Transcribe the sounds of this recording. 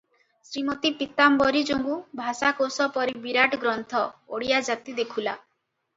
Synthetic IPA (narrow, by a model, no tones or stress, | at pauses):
sɾimɔt̪ipit̪ambɔɾid͡ʒoŋɡubʱasakosɔpɔɾibiɾaʈɔɡɾɔnt̪ʰɔoɽijad͡ʒat̪id̪ekʰula